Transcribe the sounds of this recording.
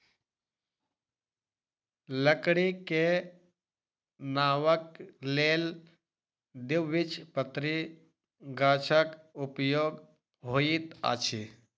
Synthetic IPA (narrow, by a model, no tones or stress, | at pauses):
ləkɽike | naːwəkleːl | d̪iʋʋit͡ʃʰpət̪ɾi | ɡaːt͡ʃʰəkupjoːɡ | ɦoːit̪a̰ːt͡ʃʰi